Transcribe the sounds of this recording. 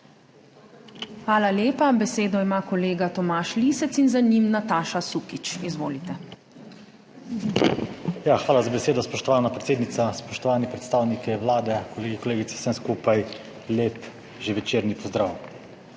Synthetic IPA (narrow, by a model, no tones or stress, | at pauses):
xʋaːlaljeːpabɛseːd̪ɔimaːkɔleːɡat̪ɔmaːʃlisɛt̪inzanimnat̪aːʃasukit͡ʃizʋoːlit̪ɛ | jaxʋaːlazabɛseːd̪ɔspɔʃt̪ɔʋaːnapɾɛt̪seːd̪nit̪saspɔʃt̪ɔʋaːnipɾɛt̪st̪aːwnikɛʋlaːd̪ɛkɔleːɡikɔleːɡit̪sɛ̥sɛnskuːpaj | leːp | ʒeʋɛt͡ʃeːɾnipɔzd̪ɾaːw